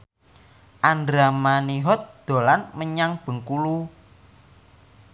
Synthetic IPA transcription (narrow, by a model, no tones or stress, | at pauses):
ʔandɾamaniɦɔt̪̚d̪̥o̤lanməɲaŋb̥ə̤ŋkulu